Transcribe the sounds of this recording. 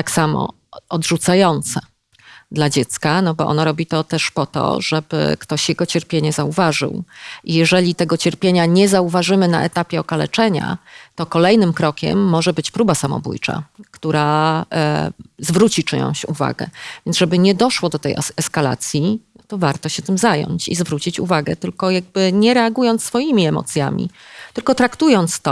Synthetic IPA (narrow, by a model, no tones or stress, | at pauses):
t̪aksamɔ̰ | ɔd̪ʐut̪sajɔnt̪sɛ | d̪lad͡ʑɛt̪skanɔbɔʔɔ̰naɾɔbʲit̪ɔt̪ɛʂpɔt̪ɔ̰ʐɛbɘ̰kt̪ɔɕjɛɡɔt͡ɕɛɾpʲjeɲɛzauvaʐɘ̰wʔijɛʐɛlʲit̪ɛɡɔt͡ɕɛɾpʲjeɲaɲɛzauvaʐɘmɘna̰ʔɛt̪apʲjɛɔkalɛ̰t͡ʂɛɲa̰t̪ɔkɔlɛjnɘmkɾɔkʲɛ̰mːɔʐɛbɘt͡ɕpɾubasamɔ̰bṵjt͡ʂa̰kt̪uɾa | zvɾut͡ɕit͡ʂɘɲɔ̰̃w̃ɕuva̰ɡɛ̰vʲjɛnʐɛbɘɲɛd̪ɔʂwɔd̪ɔt̪ɛjɛskala̰t̪sʲji | t̪ɔvaɾt̪ɔɕɛt̪ɘmzajɔ̰ɲt͡ɕḭzvɾut͡ɕit͡ɕṵvaɡɛ̰t̪ɘlkɔjaɡ̚bɘɲɛɾɛaɡujɔnt̪sfɔjimʲiɛmɔ̰t̪sʲja̰mʲḭt̪ɘlkɔt̪ɾakt̪ujɔnt̪st̪ɔ